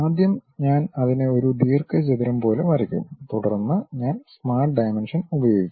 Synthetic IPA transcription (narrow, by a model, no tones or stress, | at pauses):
aːd̪ʱjɐmɲaːnɐðineo̞ɾuɖiːrkɨd͡ʑeðiɾɐmpo̞ːleʋɐɾɐkʲːṵmt̪uɽɐrnːɨɲaːnsmaːrʈ̚ɖɐjmenʂɐnubɐjo̞ːɡikːm